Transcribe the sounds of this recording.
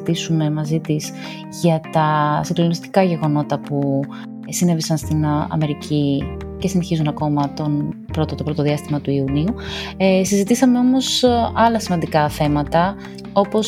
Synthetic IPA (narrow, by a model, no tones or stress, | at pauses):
t̪isume̞mɐzit̪is | ʝɐt̪ɐsiŋɡ̪lonist̪i̥kɐʝe̞ɣo̞no̞t̪ɐpu | sine̞visɐnst̪inɐ̰me̞ɾicʰi | ce̞sine̞çizunɐko̞mɐt̪o̞n | pɾo̞t̪ot̪opɾo̞t̪oðiɐst̪imɐt̪uiuniusizit̪isɐme̞o̞mo̞sɐlɐsimɐnd̪ikɐθe̞mɐt̪ɐ | o̞po̞s